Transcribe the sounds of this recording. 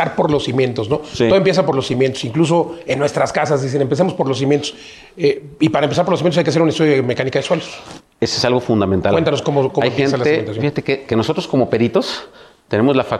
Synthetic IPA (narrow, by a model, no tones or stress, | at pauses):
aɾpo̞ɾlo̞sːimjẽ̞nt̪o̞sno̞iooemp̬jesapo̞ɾlosimjent̪osiŋklus̬o̞enːwe̞st̪ɾaskasazðis̬enempe̞s̬emo̞spo̞ɾlos̬imjent̪os | eipaɾaempesaɾpoɾlos̬mient̪osajkeas̬eɾunest̪uðjoðemekanikaðeswe̞los | esoesalɣofund̪ament̪alwent̪anoskomokoajeensatlasieient̪asjofixat̪ekekenosot̪ɾosko̞mo̞pe̞ɾit̪o̞s | t̪e̞ne̞mo̞zlafa